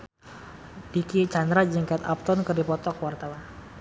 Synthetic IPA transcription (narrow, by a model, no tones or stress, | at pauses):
d̥ikit͡ʃand̪ɾad͡ʒəŋkat̪a̰p̚t̪ɔnkɨrdipɔt̪ɔkwart̪awan